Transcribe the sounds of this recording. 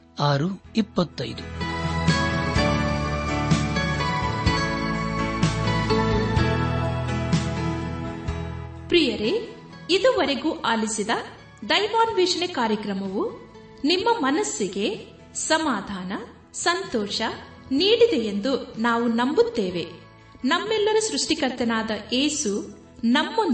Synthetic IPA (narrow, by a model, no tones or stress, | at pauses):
aːɾuipːɐt̪ːɐjd̪u | pɾijɐɾe | id̪uʋɐɾeɡuːʔaːlisid̪ɐ | d̪ɐjʋaːnʋiːʂɐɳekaːɾjɐkɾɐmɐʋu | nimːɐmɐnɐsːiɡe̞ | sɐmaːd̪ʱaːnɐ | sɐnt̪ɔːʃɐ | niːɽid̪ejend̪unaːʋunɐmbut̪ːeːʋe̞ | nɐmːɛlːɐɾusɾuʂʈikɐɾt̪ːɐnaːd̪ɐʔeːsu | nɐmːon